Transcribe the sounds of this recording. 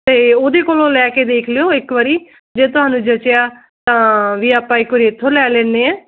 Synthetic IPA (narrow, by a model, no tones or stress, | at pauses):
t̪eːoːd̪eːkoːlõːlɛːkeːd̪eːkʰlɪjoːɪkʋəɾiː | d͡ʒeːt̪ʊɦaːnũd͡ʒət͡ʃɪjaː | t̪ãːʋiːapːãːɪkʊɾet̪ʰːõlɛːlẽːneːɛ̃ː